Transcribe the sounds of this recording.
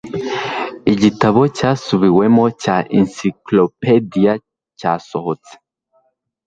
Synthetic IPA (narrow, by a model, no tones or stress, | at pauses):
iɟitaβɔcasuβiwɛmɔcaʔɛnsiklopedia | casɔhɔt͡se̥